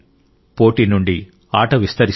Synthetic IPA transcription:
po̞ːʈinuɳɖi | aːʈɐʋist̪ɐɾi

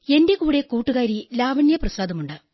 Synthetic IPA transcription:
e̞nde̞kuːɽe̞kuːʈːuɣaːɾilaːʋɐɳjɐprɐsaːd̪ɐmuɳɖɨ

